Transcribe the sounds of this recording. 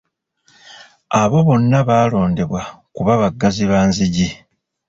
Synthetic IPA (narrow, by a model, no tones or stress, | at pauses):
aβo̞βo̞nːaβaːlo̞ːnde̞βwakuβaβaɡːaziβaːnziɟi